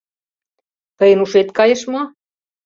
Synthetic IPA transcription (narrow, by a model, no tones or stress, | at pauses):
t̪əjə̆nuʃet̪kɑjeʃmɑ